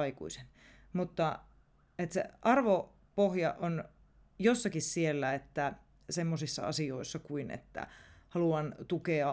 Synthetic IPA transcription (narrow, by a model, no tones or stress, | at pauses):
ɑikṵisen | mut̪ːɑ | et̪sḛʔɑrʋo | pohjɑʔon | josːɑkissielːæet̪ːæ | semːosisːɑ̰ɑ̰sioisːɑkuinḛt̪ːæ̰hɑluɑnt̪ukeɑ